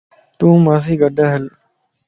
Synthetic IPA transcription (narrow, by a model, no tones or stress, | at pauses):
t̪ũːmas̬iɡɐɖəɦɐl